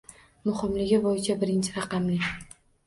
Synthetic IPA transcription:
mʊχɪmlɪɡʲɪbɒjɪt͡ʃʰabɪɾɪnt͡ʃʰɪɾɑqɑmlɪ

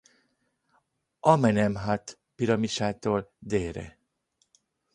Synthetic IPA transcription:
ʔɒmɛnɛmɦat̪ | piɾɒmiʃaːt̪oːld̪eːɾɛ̰

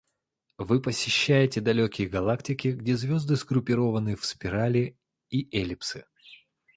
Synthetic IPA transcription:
vɨpəsʲɪɕːæjɪtʲɪd̪ɐlʲokʲɪjəɡɐlˠaktʲɪkʲɪɡdʲezvʲo̞zd̪ɨsɡɾʊpʲɪɾo̞vənɨfspʲɪɾalʲɪ | iʔelʲɪpsɨ

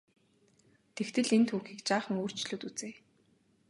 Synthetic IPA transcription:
t̪ʰext̪ʰɘ̆ɮent̪ʰuːxiːkt͡ɕaːχə̆ŋoːr̥t͡ɕɪɮuːt̪ut͡seː

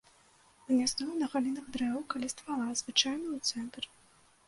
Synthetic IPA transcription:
ɨnʲasnɔvnɐɣalʲinɐɣd̪ɾɛvɐwkalʲɛst̪valˠazvɨt͡ʂajnɐwt̪sɛnt̪r

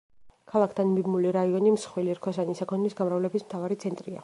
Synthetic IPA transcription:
kʰalˠakʰd̪ʰanmibmuliɾaiɔnimsχwiliɾkʰɔsanisakʰɔnlisɡamɾavlɛbismt̪ʰavaɾit̪sʰɛnt̪ʼɾia̰

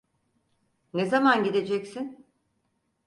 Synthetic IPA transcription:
nezamanɟid̪e̞d͡ʒɛcsin

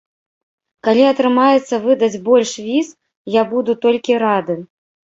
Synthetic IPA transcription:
kalʲiɐt̪ɾɨmajɛt̪sːɐvɨd̪ɐd͡zʲbɔlʲʂvʲis | jabud̪ut̪ɔlʲkʲiɾad̪ɨ

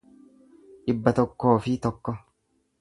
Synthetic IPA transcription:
ʔɪbːɐt̪ɔkːo̞ːfɪt̪ɔkːɔ

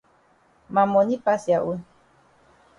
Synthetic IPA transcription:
mamoɲipasjaʔu

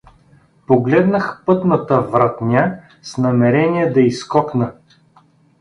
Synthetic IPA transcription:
poɡlɛd̪nəxpɤt̪nət̪əvɾat̪nʲa | snɐmɛɾɛnijɛd̪ɐiskɔknə

